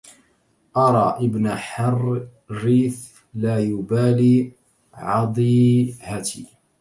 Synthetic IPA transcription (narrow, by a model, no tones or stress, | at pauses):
ʔɑɾˤɑːʔɪbnaħɑr | ɾiːθ | laːjʊbaːliː | ʕɑd̪ˤiːhat̪ḭː